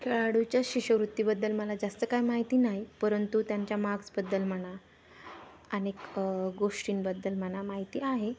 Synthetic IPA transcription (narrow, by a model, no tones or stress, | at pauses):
kʰeɭaɽut͡ɕjaɕiɕəʋɾut̪ːibəd̪ːəlməlad͡zast̪əkajmaɦit̪iːnaɦjpəɾənt̪ut̪jaɲt͡ɕjamaɡd͡zbəd̪ːəlm̤əɽ̃a | ənekɡoʂʈiːnbəd̪ːəlməɳ̃amaɦit̪iːaɦe